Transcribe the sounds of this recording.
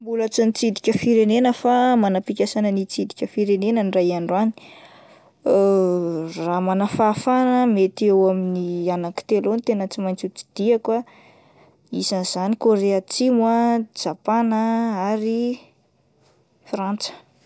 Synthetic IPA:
mbulat͡sinit͡sid̪ikʲəfiɾenenəfamanapikʲasanənit͡sid̪ikʲəfiɾenenənirajaɳɖ͡ʐuani̥ | ramanafafanəmet̪iewaminianaki̥t̪elont̪enət͡simajnt͡sut͡si̥d̪̥iakwa | isanz̥anikoɾeat͡simwad͡ʒapanəaɾi | frant͡sə̥

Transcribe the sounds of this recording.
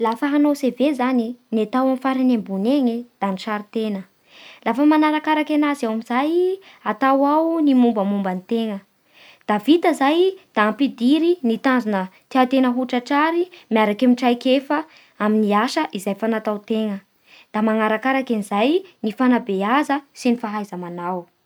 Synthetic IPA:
lafaɦanosevezaninat̪awamifaɾinembuneɲed̪̥aniʈ͡ʂaɾit̪enə | lafəmanaɾakaɾakenazawamizaj | at̪awawnimumbəmumbanit̪eŋə | d̪̥avit̪əzajd̪̥aːmpid̪iɾinit̪anzinət̪iat̪enəɦuʈ͡ʂəʈ͡ʂaɾimiaɾakemiʈ͡ʂajkefə | aminiaʃəʔizajfanat̪awt̪eŋə | d̪̥amaŋaɾakaɾakanizajnifanabeazəsinifaɦajzəmanaw

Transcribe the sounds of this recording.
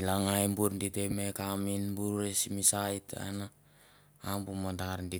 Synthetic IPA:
ilaŋajmbuɾnditemekaminbuɾesimisajta̰naː | mbumandaɾndi

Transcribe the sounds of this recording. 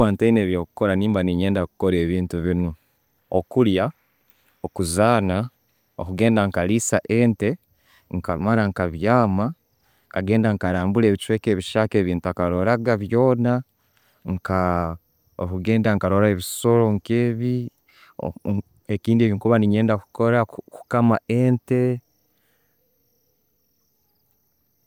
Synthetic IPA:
waːnteineːβjoːku̥koɾaniːmbaniɲe̞ːndakukoɾe̞ːβiːntuβino | okulja | okuzaːna | okuɡe̞ːndaŋkalisaʔe̞ːnte̞ | ŋkamaɾaŋkaβjaːma | ŋkaɡe̞ːndaŋkaɾaːmbule̞ːβit͡ʃwe̞ːke̞ːβiʃake̞ːβiːntuakaɾo̞ɾaɡaβjo̞ːna | ŋka | okuɡe̞ːndaŋkaɾo̞ɾaeβiso̞ɾo̞ŋkeːβḭ | ekiːndieːβiŋkuβaniɲe̞ːndaku̥koɾaku̥kamaʔeːnte̞

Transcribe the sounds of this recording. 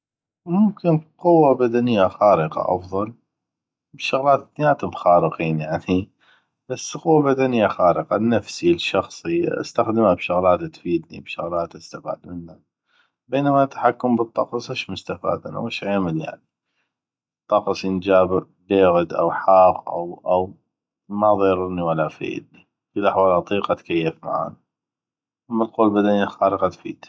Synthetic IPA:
mʊmkɪnqʊwːabad̪anɪjːaxaːɾɪqɑ̰ʔɑ̰fðˤɑl | bʃʊɣlaːt̪d̪njaːt̪mxɑːɾəqiːnjaʕni | b̥asːqʊwːabad̪anɪjːaxaːɾəqɑnːafsilʃɑxsˤiʔa̰st̪axd̪mabʃʊɣlaːt̪t̪fiːd̪nḭbʃʊ̰ɣlaːt̪ʔast̪afa̰ːd̪mɪnːa | beːnamat̪ḁħakːʊmbɨt̪ˤːɑqsˤɪʃmʊst̪afa̰ːd̪a̰na̰wɪʃʕeːmɪlja̰ʕni | t̪ˤːɑqsˤjənd͡ʒaːb | beːɣʊd̪ʔa̰wħaːqʔa̰wʔaw | maðˤeːɾɪniwalːafḛːd̪ | filʔaħwaːlʔɑt̪ˤiːqat̪kajːɪfma̰ʕa̰ːna | ʔamːalquːlbad̪anjaxaːɾəqɑt̪fḭːd̪̥

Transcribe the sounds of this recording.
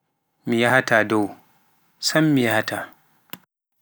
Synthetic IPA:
mijahatʰaːdow | sɐmːijahatʰa

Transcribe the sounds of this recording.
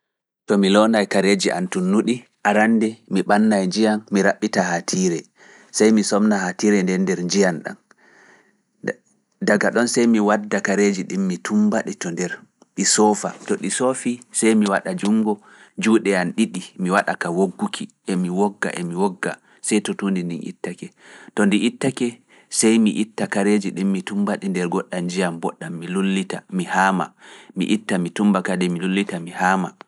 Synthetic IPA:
tɔmilɔnajkaɾed͡ʒiʔa̰ntunːuɗi | ʔaɾandɛmiɓanːajd͡ʒijanmiɾaɓːitahatʰiːɾɛ | sajmisɔmnahatiɾɛndɛndɛɾɲd͡ʒijanɗa̰n | daɡaɗɔnsajmiwadːakaɾed͡ʒiɗimːitʰumbaɗitɔndɛɾ | ɗisɔfatɔɗisofisajmiwaɗad͡ʒuŋɡɔ | d͡ʒuːɗɛanɗiɗimiwaɗa̰kawoɡːukʰiʔɛmiwɔɡːa̰ʔɛmiwɔɡːa | sɛjtɔtundindinḭtːakɛ | tɔndiʔitːakɛ | sajmiʔitːakaɾed͡ʒiɗimːitumbaɗindɛɾɡɔɗːand͡ʒijambɔɗːamːilulːitamihama̰mḭʔitːamitumbakadɛmilulːitamihaːma̰

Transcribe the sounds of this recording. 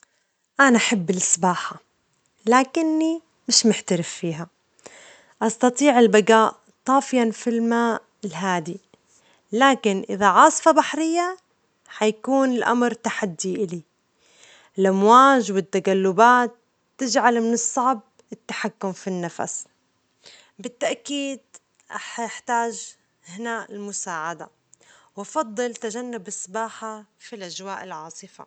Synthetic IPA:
ʔanaʔaħabːɪlʔɪsˤbaːħa | laːkɪnːi | mɪʃmɪħt̪aɾɪfːiːɦa | ʔɑst̪ɑt̪ˤiːʕɪlbaɡaːʔ | t̪ˤɑːfɪjanfilmaː | lɦaːd̪i | laːkɪnʔɪ̰ðaʕɑːsˤfɑbaħɾɪjːa | ħajkuːnɪlʔa̰mɾt̪aħad̪ːiʔɪli | ɪlʔamwaːʒwɪt̪ːaɡalːʊbaːt̪ː | ɪd͡ʒʕalmɪnɨsˤːɑʕb̚ | ɪt̪ːaħakːʊmfinːafa̰s | bɪt̪ːaʔkiːd̪̚ | ʔaħħt̪aːʒ | hɪnaːʔɪlmʊsaːʕad̪a̰ | wʔɑfɑd̪ˤːɨlt̪aʒanːʊbʔɪsˤːbaːħafilʔad͡ʒwaːʔɪlʕɑːsˤɨfa̰

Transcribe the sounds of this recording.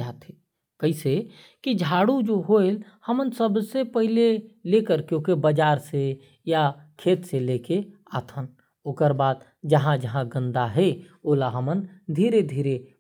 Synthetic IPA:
aːt̪e | kəise | kid͡ʒʱaːɽud͡ʒoɦoelhəmənsəbsepəɦilelekəɾkjõːkebəd͡ʒaːɾse | jakʰeːt̪seleke | aːt̪ʰən | oːkəɾbaːd̪̚ | d͡ʒəɦãd͡ʒəɦãɡə̃nd̪aɦɛoːlaɦəmənd̪ʱiːɾed̪ʱiːɾe

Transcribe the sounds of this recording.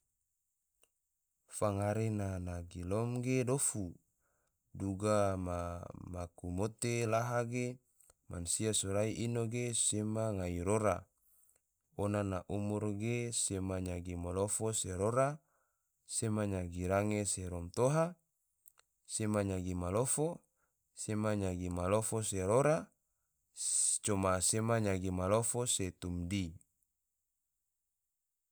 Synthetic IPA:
faŋaɾenanaɡilɔmɡedofu | duɡamamakumot̪elaɦaɡe | ma̰nsiasoɾaiʔinoɡesemaŋaiɾoɾa̰ | onanaʔumurɡesemaɲaɡimalofoseɾoɾa | semaɲaɡiɾaŋeseɾomt̪oɦa | semaɲaɡimalofo | semaɲaɡimalofoseɾoɾa | t͡ʃomasemaɲaɡimalofoset̪umdi

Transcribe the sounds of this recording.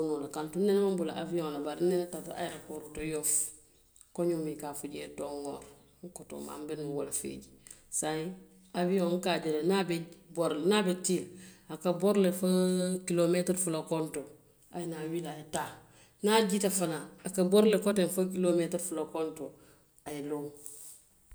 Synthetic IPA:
unulakantunːenmabula̰ʔa̰vijoŋlabaɾnenatata̰jɾakoɾutojoːf | koɲumikafuɟetoŋoːɾ | ŋkoto̰ːma̰mbenwolafḛɟi | sai | avijoŋŋkaɟeɾenabeboɾlenabetilakaboɾlefakilometɾfulakonto | a̰jnawilajeta | naɟitafanaakaboɾlekotenfakilometɾfulakonto | ajelo

